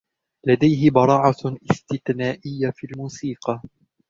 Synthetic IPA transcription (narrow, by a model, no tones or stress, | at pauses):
lad̪ajɦɪbɑɾˤɑːʕɑʔɪst̪ɪθnaːʔɪjːafiːlmuːsiːqɑ